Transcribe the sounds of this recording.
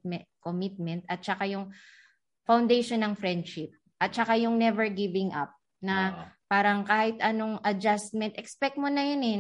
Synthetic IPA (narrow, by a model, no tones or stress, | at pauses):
komɪt̪̚mɛnt̪ɐt̪̚t͡ʃɐkajʊŋ | fawnd̪ejʃonːɐŋfɹɛnd̪ʃɪp̚ | ʔɐt̪̚t͡ʃɐkajʊŋnɛvɛɹɡɪvɪŋʔa̰p̚ | nɐpaːɾɐŋkaːhɪt̪ɐnoŋʔɐd͡ʒast̪̚mɛnt̪ʔɛkspɛk̚t̪̚monɐjonɛ